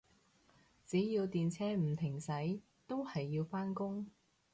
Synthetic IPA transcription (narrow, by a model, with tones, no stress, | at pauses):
t͡siː˨˥jiː˧wt̪iː˨nt͡sʰɛː˥m̩˨˩t̪ʰɪ˨˩ŋsɐ˨˥j | t̪o˥whɐ˨jːiː˧wfaː˥nkʊ˥ŋ